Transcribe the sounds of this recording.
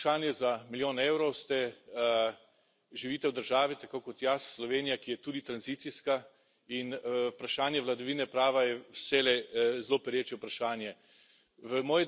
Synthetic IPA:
ʃaːnjɛzamiljoːneːwɾɔwst̪ɛ | ʒiʋiːt̪ɛwd̪əɾʒaːʋit̪akokɔt̪jasːlɔʋeːnijakijɛt̪uːd̪it̪ɾanzit̪siska | inpɾaʃaːnjɛʋlad̪ɔʋiːnɛpɾaːʋajɛwsɛlɛzloːpɛɾjeːt͡ʃjɛʊpɾaʃaːnjɛ | ʋəmɔːj

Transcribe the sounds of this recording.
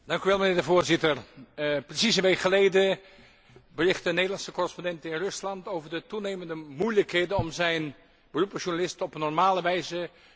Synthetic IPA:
d̥ɑŋkyʋɛlˠmənɪːɹdəvʊːɹzɪtərprəsisənʋejkχəlejdə | bərɪχtdənejdəlɑnsəkɔrəspɔndɛntɪnrɵslɑntowvəɹdətunejməndəmujləkɦejdənɔmzɛjn | bərupəʃunalɪstɔpənɔɹmaːləʋɛjzə

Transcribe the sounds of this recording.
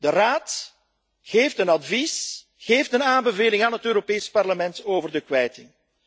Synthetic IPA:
d̥əraːt | ɣeːftənɑdvis | ɣeːftənaːmbəveːlɪŋaːnɦətøːɾopeːspɑrləmɛntoːvərdəkʋɛjtɪŋ

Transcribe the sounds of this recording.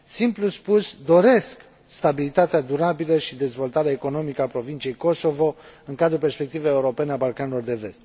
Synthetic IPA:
simpluspusd̪o̞ɾe̞sk | st̪abilit̪at̪ead̪uɾabiləʃid̪e̞zvo̞lt̪aɾeaeko̞no̞mikəapɾo̞vint͡ʃie̞jko̞so̞vo̞ɨŋkad̪ɾupe̞rspe̞k̚t̪iveeuɾo̞pe̞neabalkanelo̞rd̪e̞ve̞st̪̚

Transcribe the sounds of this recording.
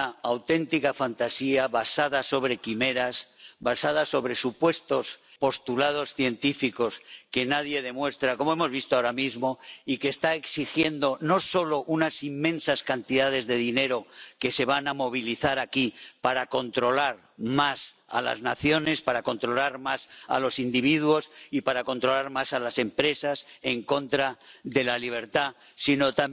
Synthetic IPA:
aawt̪e̞nt̪ikafant̪asiaβasaðaso̞β̞ɾe̞kime̞ɾasbasað̞aso̞βɾe̞supwe̞st̪o̞spo̞st̪ulað̞o̞sθje̞nt̪ifiko̞ske̞naðje̞ð̞e̞mwe̞st̪ɾako̞moemo̞zβist̪oaoɾamizmo̞ike̞ːst̪aeksixje̞nd̪o̞no̞so̞lo̞ʔunasimːẽ̞nsaskant̪iðað̞e̞zðe̞ðine̞ɾo̞ke̞se̞βanamo̞β̞iliθaɾakipaɾako̞nt̪ɾo̞laɾ | masa̰la̰znaθjo̞ne̞spaɾako̞nt̪ɾo̞laɾmasa̰lo̞sind̪iβ̞iðwo̞sipaɾako̞nt̪ɾo̞laɾmasalase̞mpɾe̞sase̞ŋko̞nt̪ɾaðe̞laliβ̞e̞ɾt̪a | sino̞t̪a

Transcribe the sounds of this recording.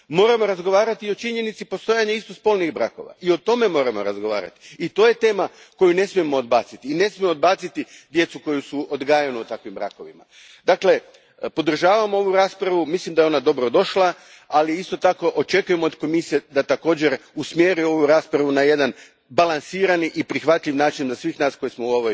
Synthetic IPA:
mo̞ːɾamo̞ɾazɡo̞ʋaːɾat̪io̞t͡ʃiɲe̞nit̪sipo̞st̪o̞jaɲaist̪ospo̞ːlniɣbɾa̰ːko̞̰ʋa̰ʔio̞t̪o̞me̞mo̞ːɾamo̞̰ɾa̰zɡo̞ʋa̰ːɾa̰t̪i̥it̪o̞ːje̞t̪e̞ːma | ko̞june̞smiemo̞ːd̪baːt̪sit̪iːne̞smjimood̪̚baːt̪sit̪id̪je̞t̪suko̞jusuod̪ɡaːjanuut̪akʋimbɾa̰ːko̞ʋḭma̰ | d̪akle̞ | po̞d̪r̩ʒaːʋamoo̞ʋuɾaːspɾaʋumislimd̪ajo̞nad̪o̞bɾo̞d̪o̞ʃla | aliist̪o̞t̪ako̞ʔot͡ʃe̞kuje̞mood̪ko̞misied̪at̪ako̞ːd͡ʑe̞ɾusmje̞ːɾuo̞ʋuɾaːspɾaʋunaje̞d̪an | balˠansiːɾaniʔipɾixʋat̪ʎʲiʋnaːt͡ʃinzasʋiːxnaːsko̞jismouo̞ʋoj

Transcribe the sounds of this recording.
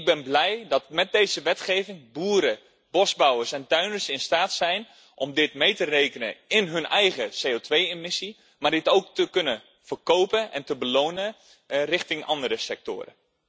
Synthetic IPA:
ɡ̚bɛnblɛjdɑt̚mɛt̚dejzəʋɛtχejvɪŋbuːɾə | bɔzbʌwərsɛntœɥnəsɪnstaːtsɛjn | ʔɔmdɪtmejtərejkənə̰ɪnɦɵnɛjχəsejotʋejɪmɪsi | maːɹdɪtowk̚təkɵnə | v̥ərkowpənɛ̰ntəbəlownə | rɪχtɪŋʔɑ̰ndəɾəsɛk̚tʊ̰ːɾə̰

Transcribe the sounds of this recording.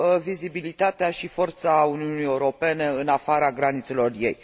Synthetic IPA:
vizibilit̪at̪eaʃifo̞rt̪sauniunijeuɾo̞pe̞ne̞ɨnafaɾaɡɾanit̪se̞lo̞rje̞̰j

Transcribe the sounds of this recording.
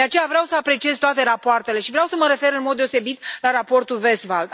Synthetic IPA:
d̪eat͡ʃe̞javɾeawsəapɾe̞t͡ʃiezt̪oat̪e̞ɾapoart̪e̞le̞ʃivɾeawsəməɾe̞fe̞ɾɨnmod̪ːe̞o̞se̞bit̪laɾapo̞rt̪ulvesvald̪

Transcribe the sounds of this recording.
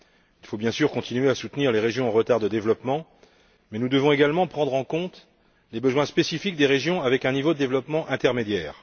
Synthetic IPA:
ilfobjɛ̃syʁkɔ̃t̪inyɥeasut̪niʁleʁeʒjɔ̃ɑ̃ʁət̪aʁd̪əd̪evlɔpmɑ̃ | mɛnud̪əvɔ̃eɡalmɑ̃pχɑ̃d̪ʁɑ̃kɔ̃t̪ | lebəzwɛ̃spesifik̚d̪eʁeʒjɔ̃avɛkɛ̃nivod̪əd̪evlɔpmɑ̃ʔɛ̃t̪ɛʁmed̪jɛːʁ

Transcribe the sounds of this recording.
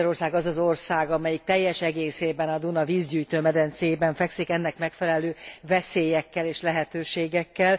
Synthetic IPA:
ɾo̞rsaːɡɒzɒzo̞rsaːɡɒmɛjik̚t̪ɛjːɛʃɛɡeːseːbɛnɒd̪unɒviːzɟyːjt̪øːmɛd̪ɛnt̪sebɛɱfɛksikɛnːɛkmɛkfɛlɛløːvɛseːjɛkːɛleːʃlɛɦɛt̪øːʃeːɡɛkːɛl

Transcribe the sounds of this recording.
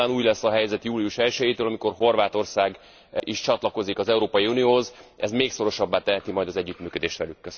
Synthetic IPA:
aːnuːɟlɛsːɒɦɛjzɛt̪juːliuʃɛlʃɛjet̪øːlɒmiko̞rɦo̞rvaːt̪o̞rsaːɡ | iʃt͡ʃɒt̪lɒko̞zikɒzɛuɾoːpɒjiunijoːɦozʔɛ̰zmeːkso̞ɾo̞ʃɒbːaːt̪ɛɦɛt̪imɒjd̪ɒzɛɟːyːt̪myːkød̪eːʃt̪ʋɛlykːøs

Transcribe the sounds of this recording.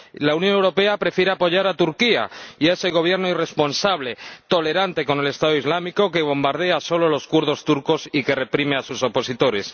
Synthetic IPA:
launjonewɾo̞pe̞apɾe̞fjeɾeapo̞ʝaɾat̪uɾkia̰iaeseɣ̞o̞β̞je̞ɾnoire̞spo̞nsaβ̞le̞t̪o̞le̞ɾant̪e̞ko̞ne̞lest̪aðoizlamiko̞ke̞β̞o̞mbaɾð̞e̞aso̞lo̞lo̞skuɾðo̞st̪uɾko̞sike̞re̞pɾime̞asuso̞po̞sit̪o̞ɾe̞s

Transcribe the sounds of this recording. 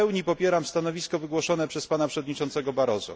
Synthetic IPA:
ɛwɲipɔpʲjɛɾamst̪anɔvʲiskɔvɘɡwɔʂɔnɛpʂɛspanapʂɛvɔd̪ɲit͡ʂɔnt̪sɛɡɔbaɾɔzṵ

